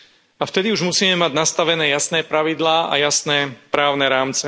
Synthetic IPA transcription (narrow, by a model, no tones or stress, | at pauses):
aft̪ɛd̪iuʒmusiːmɛmaɟnast̪aʋɛnɛːjasnɛːpɾaʋid̪laːʔa̰jasnɛːpɾaːʊnɛɾaːmt͡sɛ